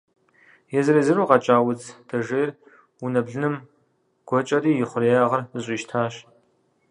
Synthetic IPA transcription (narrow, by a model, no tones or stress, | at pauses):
jɛzɨɾiːzɨɾuːqɐt͡ʃʼaːwʊt͡sʰd̥ɐʒeːjr | unɐbɮɨnɨm | ɡ̥ʷɔt͡ʃʼɐɾiːjɪχʷʊrjaːʁɐrɨɕʼiːʃtʰaːɕ